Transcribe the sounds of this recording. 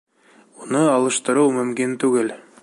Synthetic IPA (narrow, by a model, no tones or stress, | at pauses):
unɤɑlˠɤ̆ʃt̪ɤ̆ɾɤwmɵ̆mkint̪ʉɡɘl